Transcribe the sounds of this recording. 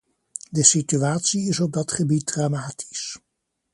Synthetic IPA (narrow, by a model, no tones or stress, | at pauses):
dəsityaːtsiɪsɔb̚dɑtχəbit̚dramaːtʰi̥s